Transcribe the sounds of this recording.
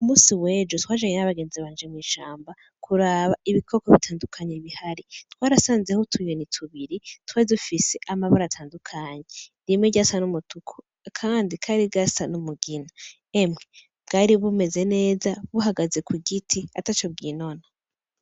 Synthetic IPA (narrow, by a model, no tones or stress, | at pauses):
umuːsiwe̞ːd͡ʒotwaːd͡ʒaɲenaβaɡe̞ːnziβaːnd͡ʒemŋiːʃaːmba | kʰuɾaβaʔiβikʰo̞koβitʰaːndukʰaɲeβihaɾitwaːɾasaːnze̞hutʰujonitʰuβiɾitwadufise̞ʔamaβuɾatʰaːndukʰaɲendimŋeɟasanumutukʰo | kʰaːndikʰaɾiɡasanumuɡina | emŋe | b̥ɡaːɾiβume̞ze̞ne̞ːzaβuhaɡaze̞kwiɡitʰia̰tat͡ʃo̞b̚ɡiːno̞na